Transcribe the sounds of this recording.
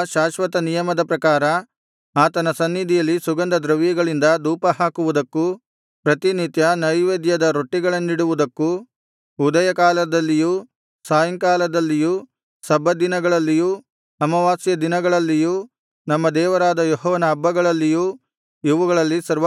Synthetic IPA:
ʃaːʃʋɐt̪ɐnijɐmɐd̪ɐpɾɐkaːɾɐ | aːt̪ɐnɐsɐnːid̪ʱijɐlːisuɡɐnd̪ɐd̪ɾɐʋjɐɡɐɭind̪ɐd̪uːpɐɦaːkuʋud̪ɐkːu | pɾɐt̪init̪jɐnɐjʋeːd̪jɐd̪ɐɾoʈːiɡɐɭɐnːiɽuʋud̪ɐkːu | ud̪ɐjɐkaːlɐd̪ɐlːijuː | saːjɐŋkaːlɐd̪ɐlːijuː | sɐbːɐd̪inɐɡɐɭɐlːijuː | ɐmɐʋaːsjɐd̪inɐɡɐɭɐlːijuː | nɐmːɐd̪ɛːʋɐɾaːd̪ɐjɔɦɔːʋɐnɐːbːɐɡɐɭɐlːijuː | iʋuɡɐɭɐlːisɐɾʋ

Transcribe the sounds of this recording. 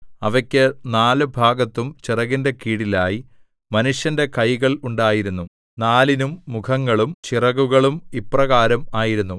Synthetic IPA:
ɐʋɐkʲːɨnaːlɨbʱaːɡɐt̪ːumt͡ɕirɐɣinde̞kiːɽilaːji | mɐnuʂjɐnde̞kɐjɣɐɭuɳɖaːjiɾunːu | naːlinumːukʰɐŋːɐɭumt͡ɕirɐɣuɣɐɭumiprɐɣaːɾɐmaːjiɾunːu

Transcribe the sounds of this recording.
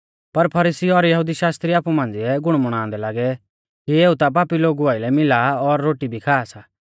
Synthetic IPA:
pɐɾpʰɐɾiːsiɔɾjɐɦud̪iʃaːst̪ɾiaːpumãːnd͡ziɛɡʊɽ̃mʊɽ̃ãːnd̪ɛlaːɡɛ | kieːut̪ap̬aːpiloːɡuaːɪlɛmɪlaɔɾːoːʈibʱikʰaːsa

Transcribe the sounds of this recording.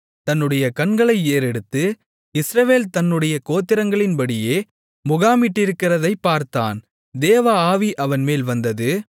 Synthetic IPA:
t̪ɐnːɯɽɐjɐkɐɳɡɐɭɐɪeːɾɛɽɯt̪ːɯ | ɪsɾɐʋeːlt̪ɐnːɯɽɐjɐkoːt̪ːɪɾɐŋɡɐɭɪnbɐɽɪjeː | mʊɣaːmɪʈːɪɾɯkːɪrɐðɐɪpːaːɾt̪a̰ːn | d̪eːʋaːaːʋiʔɐʋɐnmeːlʋɐnd̪ɐðɯ

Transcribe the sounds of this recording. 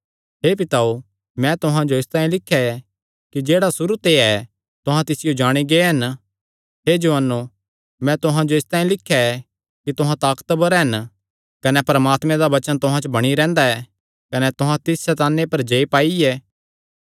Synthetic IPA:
ɦeːp̬ɪt̪ao | mɛ̃t̪ʊɦãd͡ʒoɪst̪aːĩlɪkʰːjaɛ | kid͡ʒeːɽasʊɾut̪eɛ | t̪ʊɦãt̪ɪsɪjod͡ʒaːɽ̃iɡeːɦɐn | ɦed͡ʒɐʋənːo | mɛ̃t̪ʊɦãd͡ʒoɪst̪aːĩlɪkʰːjaɛ | kit̪ʊɦãt̪aːkt̪bɐɾɦɐn | kɐnɛpɐɾɐmaːt̪mẽd̪abɐt͡ʃənt̪ʊɦãt͡ʃbɐɽ̃iɾɛ̃ːnd̪aɛ | kɐnɛt̪ʊɦãt̪ɪsːɛt̪aːnːepɐɾd͡ʒeipaːiɛː

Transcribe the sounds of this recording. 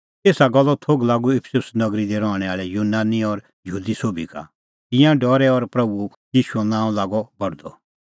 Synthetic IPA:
t̪eːsaɡɔlːɔt̪ʰoːɡlaːɡuɪpʰsʊsnɐɡɾid̪ɛɾɔːɽ̃ɛaːɭɛjuːnaːniɔɾ | jəɦuːd̪isoːbʱika̰ | t̪ɪ̃jãɖɔːɾɛɔɾpɾɐbu | jiːʃuɛ̃nãːũlaːɡɔbɐɽd̪ɔ̰

